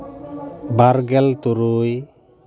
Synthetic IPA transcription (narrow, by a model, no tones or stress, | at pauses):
baɾɡɛlt̪uɾuj